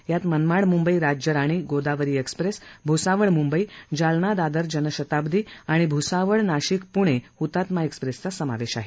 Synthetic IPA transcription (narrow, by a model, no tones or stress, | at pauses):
ɦjat̪mənmaɳmumbəiɾad͡ʑjəɾaɽ̃iɡod̪aʋəɾiːekspɾesbʱusaʋəɭmumbəid͡ʑalnad̪ad̪əɾd͡ʑənəɕət̪abd̪iːaɽ̃ibʱusaʋəɭnaɕikpuɽ̃ehut̪at̪maekspɾest͡sasəma̰ʋeɕaɦe